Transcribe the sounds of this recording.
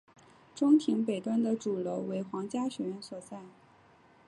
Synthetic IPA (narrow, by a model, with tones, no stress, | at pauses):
ʈ͡ʂʊ˥ŋt̪ʰi˧˥ŋpe˨˩ɪt̪wa˥nd̪ə˨ʈ͡ʂu˨˩lo˧˥ʊwe˧˥ɪxwɑ˧˥ŋt͡ɕja˥ɕɥɛ˧˥ɥɛ˧˥nswɔ˨˩t͡sa˥˩ɪ